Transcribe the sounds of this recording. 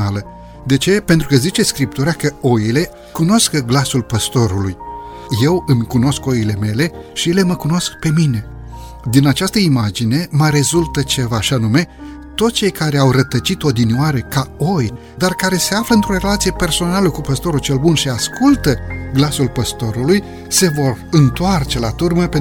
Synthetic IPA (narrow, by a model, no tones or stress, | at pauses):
alə | d̪e̞t͡ʃe̞pent̪ɾukəzit͡ʃe̞skɾip̚t̪uɾeakəo̞jile̞ | kunoskəɡlasulpəst̪o̞ɾuluj | je̞wɨmkuno̞sko̞ile̞me̞le̞ʃije̞le̞məkuno̞skpe̞mine̞ | d̪inat͡ʃast̪əimad͡ʒine̞məɾe̞zult̪ət͡ʃe̞vaʃianume̞ | t̪o̞t̪st͡ʃe̞jkaɾe̞awrət̪ət͡ʃit̪o̞d̪iniaɾe̞kao̞j | d̪arkaɾe̞se̞afləɨnt̪ɾo̞re̞lat̪sije̞pe̞rso̞naləkupəst̪o̞ɾut͡ʃe̞lbunʃiaskʰult̪əɡlasulpəst̪o̞ɾuluj | se̞vo̞rɨnt̪oart͡ʃe̞lat̪urməpe